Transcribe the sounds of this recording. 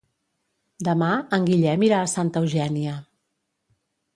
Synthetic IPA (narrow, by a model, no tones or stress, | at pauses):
d̪əmaəŋɡiʎɛmiɾaːsant̪əwʒɛniə